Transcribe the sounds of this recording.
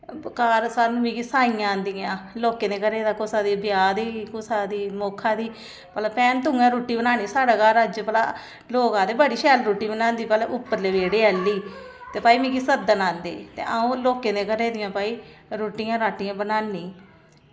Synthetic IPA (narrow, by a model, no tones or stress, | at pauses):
kaːɾsaːnũːmĩːkisaːiːjãːnd̪iːãːloːkeːneːkəɾeːd̪aːkosaːd̪iːbɪjaːd̪iːkʊsaːd̪iːmoːkʰãːd̪iː | pəlaːpɛːnt̪ʊŋɡãːɾuːʈːiːbənaːniːsaːɽaːkaːɾəd͡ʒpəla̰ː | loːkãːt̪eːbəɽiːʃɛːlɾuːʈːiːbənãːnd̪iːpɛːleʔʊpːəɾleːʋeːɽeːəlːiː | t̪eːpaːiːmĩːkisəd̪ənãːnd̪ḛːt̪ḛːʔaːũːloːkeːneːkəɾeːd̪ɪjãːpaːiːɾoːʈːijãːɾaːʈːɪjãːbənaːnːiː